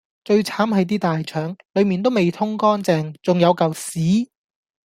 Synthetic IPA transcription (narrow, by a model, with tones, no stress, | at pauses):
t͡ʃɵ˧ɥt͡sʰaː˨˥mhɐ˨˧jt̪iː˥t̪aː˨jt͡ʃʰœː˨˥ŋlɵ˨˧ɥmiː˨nt̪̬o˥wme˨˩jt̪ʰʊ˥ŋkɔː˥nt͡sɛː˧ŋt͡sʊ˨ŋjɐ˨˧wkɐ˨wsiː˨˥